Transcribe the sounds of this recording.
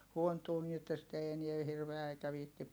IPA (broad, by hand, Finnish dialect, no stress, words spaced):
huontuː niː etːæ sit ei eniɛ hirʋeæ eikæ ʋiːhtip